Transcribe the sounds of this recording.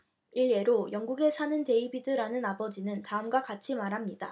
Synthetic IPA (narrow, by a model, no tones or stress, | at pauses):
iɭːe̞ɾojʌŋɡuɡe̞sʰanɯnte̞ibidɯɾanɯnabʌd͡ʑinɯntaɯmɡwakat͡ɕʰimaɾɦamɲida